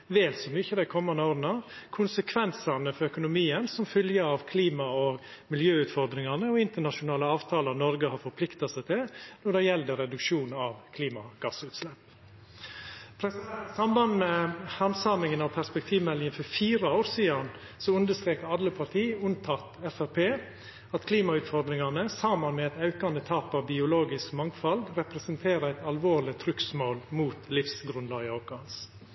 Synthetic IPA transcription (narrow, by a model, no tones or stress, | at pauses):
ʋeːlsɔmyːçəd̪æɪkʰɔmːɑnd̪əoːɾnɑkʰʊnsəkʰʋɛnsɑnəfɔɾœkʊnʊmiːənsɔmfʏljəɑʋkʰliːmɑoɡ | mɪljøːʉːt̪fɔɾd̪ɾɪŋɑnəɔɪnt̪əɳɑʂʊnɑːləɑːʋt̪ʰɑːlɑɾnɔɾɡəhɑɾfɔɾpʰlɪkt̪ɑsæɪt̪ʰɪlnɔɖɛjɛld̪əɾɛd̪ʉkʂuːnɑʋkʰliːmɑɡ̥ɑsʉːt̪slɛpː | pʰɾɛsɑmbɑnmɛhɑmsɑmɪŋənɑʋpʰæɾspɛk̚t̪ʰiːʋmɛlːɪŋənfɔɾfiːɾɑoːɾsiːɑn | sɔʉnd̪əst̪ɾeːkəɾɑlːəpʰɑɾt̪ʰiːʉnt̪ʰɑt̪ɛfæɾpʰeː | ɑt̪kʰliːmɑʉːt̪fɔɾd̪ɾɪŋɑnəsɑmɑnmɛɛt̪ɑʉkɑnd̪ət̪ʰɑːpɑʋbɪʊloːɡɪskmɑŋfɑlɡɾɛpɾɛsənt̪ʰeːɾəæɪt̪ɑlʋoːɾlɪt̪ʰɾʏksmoːlmuːt̪lɪfsɡɾʉnlɑːɡɪɑʊkɑns